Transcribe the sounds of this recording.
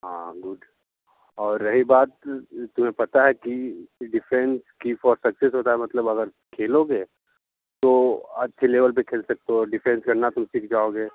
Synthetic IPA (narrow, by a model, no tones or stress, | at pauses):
ɦã̰ːɡʊɖ | ɔːɾːɐɦibaːt̪t̪ːʊm̤ẽpɐt̪aɦɛkiɖɪfʰɛ̃nskifɔːɾsɐksesɦoːt̪aɦɛmɐt̪ləbɐɡəɾ | kʰeːloːɡeː | t̪oɐtːʃʰeleːʋəlp̬ekʰeːlsɐk̚t̪oɔɖɪfʰɛ̃nskɐɾnat̪ʊmsiːkʰd͡ʒaːoːɡeː